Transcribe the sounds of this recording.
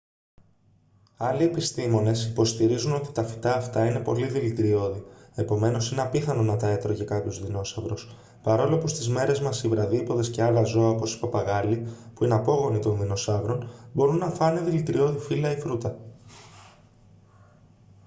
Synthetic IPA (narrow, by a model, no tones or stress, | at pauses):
ɐlie̞pist̪imo̞ne̞sipo̞st̪iɾizuno̞t̪i̥t̪ɐfi̥t̪ɐːft̪ɐine̞po̞̰liðilit̪ɾio̞ðie̞po̞me̞no̞sineɐpiθɐno̞nɐt̪ɐe̞t̪ɾo̞ʝɐkɐpçozðino̞sɐvɾo̞s | pɐɾo̞lopust̪izme̞ɾe̞zmɐsivɾɐðipo̞ðe̞sce̞ɐlɐzo̞ɐopo̞si̥pɐpɐɣɐlipuineɐpo̞ɣo̞nit̪o̞nðino̞sɐvɾo̞nbo̞ɾunːɐfɐneðilit̪ɾio̞ðifilɐifɾut̪ɐ